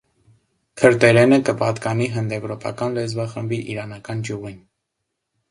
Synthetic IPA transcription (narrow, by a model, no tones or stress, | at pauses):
kʰəɾt̪ɛɾɛnəkəpɑt̪kɑniɦənd̪ɛvɾɔpɑ̰kɑnlɛzvɑχəmbiʔiɾɑnɑkɑnɡjuʁin